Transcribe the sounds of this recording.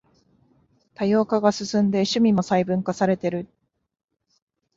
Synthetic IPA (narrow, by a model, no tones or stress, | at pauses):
t̪ajo̞ːkaɡasɨsɨ̃nd̪e̞ɕɨmʲimo̞saibɯ̟̃ŋkasaɾe̞t̪e̞ɾɯ̟